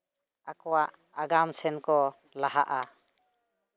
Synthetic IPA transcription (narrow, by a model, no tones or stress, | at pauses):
akɔwaʔ | aɡamsɛnkɔ | laɦaʔa